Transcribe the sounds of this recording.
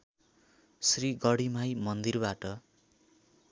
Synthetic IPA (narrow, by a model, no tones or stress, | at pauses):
sriɡʌɽimajmʌnd̪irbaʈʌ